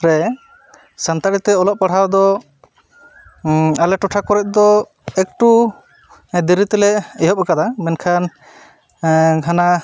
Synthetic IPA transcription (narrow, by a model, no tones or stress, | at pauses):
ɾɛ | sant̪aɽit̪ɛɔlɔʔ̚paɽ̤awd̪ɔ | alɛʈɔʈʰakɔɾɛʔ̪̚ˀd̪ɔ | ɛk̚ʈu | d̪iɾit̪ɛlɛɛjɦɔp̚ɛkad̪amɛnkʰan | ɡʱana